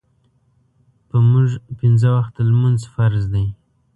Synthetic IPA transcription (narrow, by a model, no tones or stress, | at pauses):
pəmuʒpɪnzəwaxt̪əlmunzfaɾzd̪aj